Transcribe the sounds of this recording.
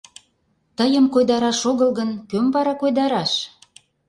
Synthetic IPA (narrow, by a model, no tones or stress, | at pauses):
t̪əjəmkojd̪ɑɾɑʃoɣə̆lɣənkømbɑɾɑkojd̪ɑɾɑʃ